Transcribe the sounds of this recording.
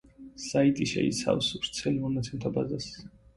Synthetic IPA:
sait̪ʼiʃɛ̰ḭt̪sʰa̰fsuɾt̪sʰɛlimɔnat̪sʰɛmt̪ʰabazas

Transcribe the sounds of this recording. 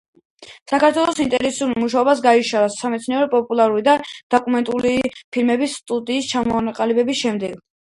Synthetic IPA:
sakaɾt̪ʰwɛlˠɔsint̪ʼɛɾɛsulmuʃaɔbas̬ɡaiʃaɾasːamɛt̪sʰniɔɾɛpʼɔpʼulˠaɾulid̪ad̪̥ɔkʼumɛnt̪ʼulipʰilmɛbist̪ʼud̪iːst͡ʃʰamɔaqʼalibɛbisʃɛmd̪ɛɡ̥

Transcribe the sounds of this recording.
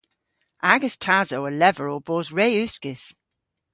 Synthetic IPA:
ʔaɡəstʰazoʊəlɛvəɹoboːzɹeɪʉˑskɪs

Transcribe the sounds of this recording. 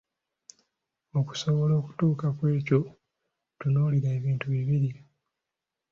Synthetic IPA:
oku̥so̞βo̞lo̞ːku̥tuːkakwe̞ːco̞ | tunoːliɾaeβiːntuβiβiɾi

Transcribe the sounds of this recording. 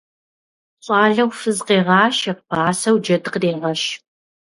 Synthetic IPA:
ɕʼɑːɮɐwfɨzqeːʁɑːʃɐp̚b̥aːsɐwd͡ʒɐdɨqdeːʁɐʃ

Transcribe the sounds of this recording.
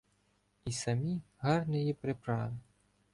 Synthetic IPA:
isamʲiɣarnɨjɛpɾɨpɾavɨ

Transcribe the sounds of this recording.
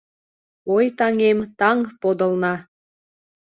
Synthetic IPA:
ojt̪ɑŋemt̪ɑŋpod̪ə̆lnɑ

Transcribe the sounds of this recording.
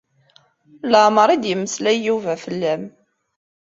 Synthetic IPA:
ləʕməɾˤid̪jəmːəslæjuvæfəlːæm

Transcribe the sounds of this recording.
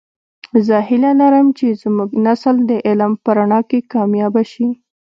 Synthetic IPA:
zəhɪlalaɾəmt͡ʃezmuɡnasld̪əʔɪlmpəɾaɳɑkekɑmjɑbaʃi

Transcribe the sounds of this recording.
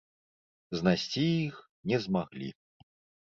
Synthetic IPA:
znasʲt͡sʲijix | nʲɛzmaɣlʲḭ

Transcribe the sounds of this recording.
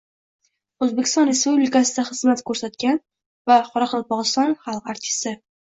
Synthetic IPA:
ɵzbekʲɪ̥st̪ɒnɾe̞spublʲɪkasɪd̪aχɨzmat̪kʰɵɾsat̪kʲan | vaqʰɒɾɑqʰɒlˠpɒʁɨst̪ɒnχalˠqaɾt̪ʲʰɪ̥st̪ɪ

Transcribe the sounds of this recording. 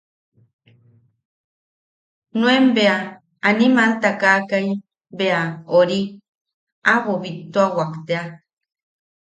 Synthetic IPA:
nw̃embea | animãnt̪akakaj | beaoɾi | aβoβit̪ːoawakt̪ea

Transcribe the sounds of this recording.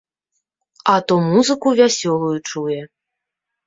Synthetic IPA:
ɐt̪ɔmuzɨkuvʲasʲɔlˠujut͡ʂujɛ

